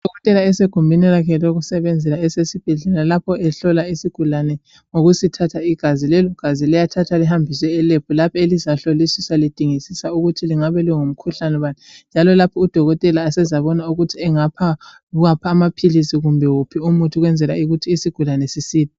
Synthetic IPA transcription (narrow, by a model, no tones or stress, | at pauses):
d̥ʱɔɣɔtʼɛlaɛseɡ̥ʱumbʱinilakʰɛloɣusɛβɛnd͡zʱɛlaɛsesib̥ʱɛɮɛlalapʰɔɛɬɔlaisiɡ̥ʱulanɛ | ŋoɣusitʰatʰaiɡ̥ʱazilɛluɡ̥ʱazilɛjatʰatʰaliɦambʱisɛɛlepʰulapʰɔelizaɬolisisalid̥ʱiŋisisauɣutʰiliŋaβɛliŋum̩kʰuɬanɛβanind͡ʒʱalɔlapʰɔud̥ʱɔɣɔtʼɛlaːsɛzaβɔnauɣutʰiɛŋapʰa | ɣapʰaːmapʰilisiɣumbʱɛwupʰiumutʰuɣwɛnd͡zʱɛlaiɣutʰiːsiɡ̥ʱulanɛsisiːti